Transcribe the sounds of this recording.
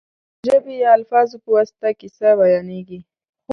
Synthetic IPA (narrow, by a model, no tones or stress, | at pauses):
ʒəbejaalfɑːzupəwast̪akɪsawajɑneɡi | x